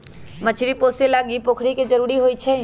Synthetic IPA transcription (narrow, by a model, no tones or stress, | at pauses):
mət͡ʃʰɾipoːselaːɡipoːkʰɽiked͡ʒɐɾuːɾiɦoːit͡ʃʰɛ